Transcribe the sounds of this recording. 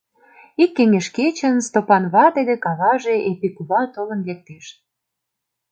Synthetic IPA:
ikːeŋeʃket͡ɕə̆nst̪opɑnβɑt̪ed̪ekɑβɑʒeʔepikuβɑt̪olə̆nlek̚t̪eʃ

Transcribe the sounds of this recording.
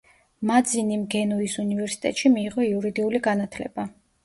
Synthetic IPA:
mad̪zinimɡɛnuisunivɛɾsi̥t̪ʼɛ̰t̪ʃimiːʁɔiuɾid̪iuliɡanat̪ʰlɛ̰ba

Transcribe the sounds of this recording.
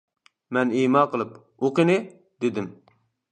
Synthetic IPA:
mɛnimɑqəlˠɨp | oqɨnɨ | d̪ɪd̪ɪm

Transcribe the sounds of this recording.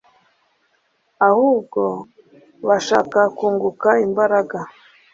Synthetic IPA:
ahuːbɡo̞ | βaʃaːkakuːŋɡukaimbaɾaɡa

